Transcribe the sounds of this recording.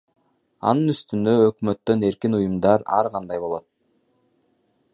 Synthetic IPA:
ɑ̰nɯnyst̪ynd̪ø̞økmø̞t̪ːø̞ne̞ɾkinujumd̪ɑɾɑ̰ɾʁɑnd̪ɑjbo̞lˠo̞t̪̚

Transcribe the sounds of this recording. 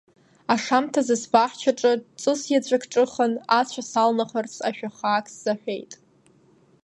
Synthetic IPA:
aʂamtʰazɨsbaħt͡ʃʰaʈ͡ʂʼɨt͡sʼɨsjad͡ʑʷʼakʰʈ͡ʂʼɨχənat͡ɕʷʰasalnaχərt͡sʰaʃᶣaχaːkʰʼsz̥aħʷᶣe̞jtʼ

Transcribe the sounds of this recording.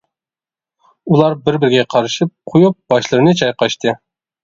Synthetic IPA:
ulˠɑɾbɪɾbɪɾɪɡʲɛqʰɑɾɨʃip̚qʰojup̚b̥ɑʃlˠɨɾɨnɨt͡ʃʰɑjqɑʃt̪ʰɨ

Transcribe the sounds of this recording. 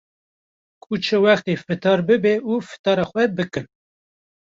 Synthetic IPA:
kʼut͡ʃʰəwæxt̪efɨt̪ʰɑːɾbɨbɛufɨ̥t̪ɑːɾɑxʷɛbɨkɨn

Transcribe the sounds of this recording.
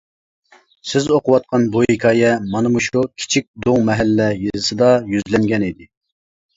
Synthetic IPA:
sɪzoqʰʊwɑt̪̚qʰɑnbujikʰɑːjɛmɑnɨmuʃukʲʰi̥t͡ʃʰik̚ʲd̪oŋmɛɦælːɛjɨzɨsɨd̪ɑjyzlɛŋɡʲɛnid̪ɪ

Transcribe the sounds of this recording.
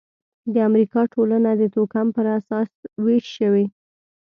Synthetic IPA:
d̪əamɾikɑʈʰolanad̪ət̪okampəɾasɑsweʃʃəwe

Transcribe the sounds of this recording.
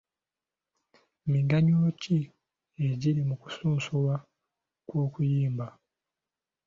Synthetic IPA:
miɡaɲoːci | eɟiɾimuku̥suːnsuwa | kwo̞ːkujiːmba

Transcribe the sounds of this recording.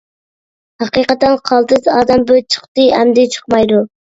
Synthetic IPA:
hɑqiqət̪ɛnqʰɑlˠt̪ɨzɑːd̪ɛmbøt͡ʃʰə̥χt̪ɨæmd̪ɪt͡ʃʰə̥qmɑjd̪u

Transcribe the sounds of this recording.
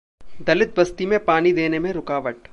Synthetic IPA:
d̪ɐlɪt̪̚bɐst̪imẽpaːñid̪eːnemẽɾʊkaːʋəʈ

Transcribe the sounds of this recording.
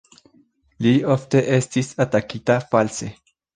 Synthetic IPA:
liofte̞ʔe̞stisatakitafalse̞

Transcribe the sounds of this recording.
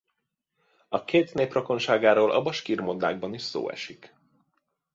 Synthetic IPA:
ɒkeːt̪neːprɒko̞nʃaːɡaːɾoːlʔɒ̰bɒʃkirmod̪a̰ːɡ̚bɒniʃso̰ːɛ̰ʃik

